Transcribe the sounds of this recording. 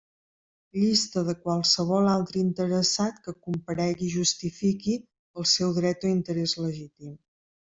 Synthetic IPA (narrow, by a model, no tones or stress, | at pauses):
ʎist̪əðəkwalˠsəβ̞ɔlalˠt̪ɾəint̪əɾəsat̪kəkumpəɾɛɣiʒust̪ifiki | əlˠsɛwðɾɛt̪oint̪əɾɛzləʒit̪im